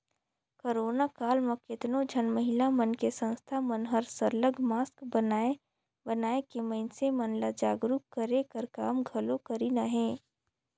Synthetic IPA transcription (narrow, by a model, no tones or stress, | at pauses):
koːɾoːnakaːlmɐkɪt̪nod͡ʒʱənməɦɪlamənkesə̃nst̪ʰamənɦəɾsəɾləɡmaːskbənaːe | bənaːekeməɪnsemənlad͡ʒaːɡɾukkəɾekəɾkaːmɡʱɐlokəɾinaɦɛ̃ː